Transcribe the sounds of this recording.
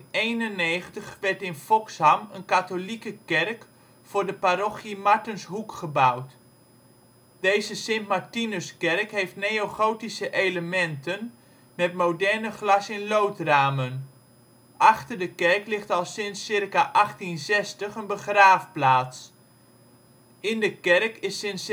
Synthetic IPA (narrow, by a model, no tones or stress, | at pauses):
ejnənejχəntəχʋɛɹtɪnfɔkshamənkatolikəkɛrk | fʊːɹdəpaɾɔχjimaɹtənsɦukχəbawt | d̥ejzəsɪntmaɹtinəskɛrkɦejftnejoχowtisəʔejləmɛntən | mɛtmowdɛrnəχlɑsɪnlowtraːmən | ʔɑχtərdəkɛrklɪχtɑlˠsɪnsːɪrkaʔɑχtinsɛstəχənbəχraːfplaːts | ɪndəkɛrkɪsɪns